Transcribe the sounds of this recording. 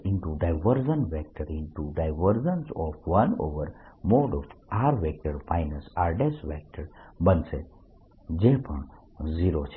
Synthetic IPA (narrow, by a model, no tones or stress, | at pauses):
ɪnʈuɖaɪʋəɾzənʋɛk̚ʈəɾɪ̃nʈuɖaɪʋəɾzənsɔfʰʋəno̰ʋəɾmoɖɔfaɾʋek̚ʈəɾfaɪnəsaɾɖesʋɛk̚ʈəɾbənse | d͡ʒepəɳ | ziɾot͡ʃʰe